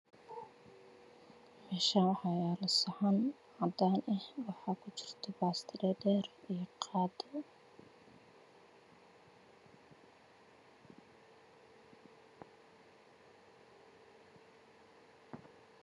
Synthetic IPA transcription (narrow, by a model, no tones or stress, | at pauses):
mɛːʃaːwħɑːjaːlɐsɐħan | ʕɑd̪aːnʔɛhwɑħɑːkʰʊt͡ʃɪ̥r̥t̪ʰɔbaːst̪ʰɪɾɛːdɛːrijɔqʰɑːd̪ɔ